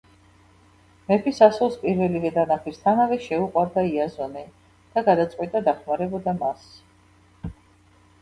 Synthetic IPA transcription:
mɛpʰisasulˠspʼiɾvɛlivɛd̪anapʰist̪ʰanavɛʃɛuqʼwaɾd̪aiazɔni | d̪̥aɡad̪at̪sʼwit̪ʼad̪aχmaɾɛbɔd̪amas

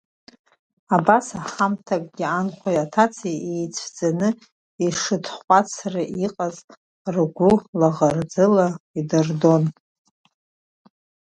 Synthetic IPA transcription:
abasaħamtʰakʼɡʲianχʷʰajatʰat͡sʰiejt͡sʷʰd͡zanɨ | iʂɨtʰχʷʼat͡sʰraʔiqʼaz | rɡʷʊlaʁard͡zɨlaidɨrdo̞n

